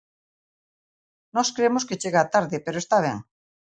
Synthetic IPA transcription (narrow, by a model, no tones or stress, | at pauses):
nɔskɾemosket͡ʃeɣaat̪aɾðɪpeɾoest̪aβ̞ḛŋ